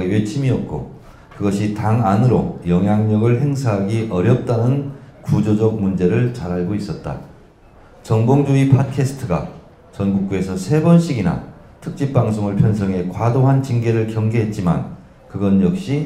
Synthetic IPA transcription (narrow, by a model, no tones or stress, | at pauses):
ɥet͡ɕʰimiʌt̚k͈o̰ | kɯɡʌɕʰitaŋanɯɾo̰jʌŋɦjaŋɲʌɡɯɭhe̞ŋsʰaɦaɡiʔʌɾjʌp̚t͈anɯnkud͡ʑod͡ʑʌk̚mund͡ʑe̞ɾɯɭt͡ɕaɾɦaɭɡois͈ʌt̚t͈a̰ | t͡ɕʌŋboŋd͡ʑuipʰat̚kʰe̞sʰɯ̥tʰɯɡa̰ | t͡ɕʌnɡuk̚k͈ue̞sʰʌsʰe̞bʌnɕ͈ʰiɡina̰ | tʰɯk̚t͡ɕ͈ip̚p͈aŋsʰoŋɯɭpʰjʌns̬ʰʌŋɦe̞kwadoɦant͡ɕiŋɡe̞ɾɯɭkjʌŋɡeɦe̞t̚t͡ɕ͈ima̰n | kɯɡʌnjʌk̚ɕ͈i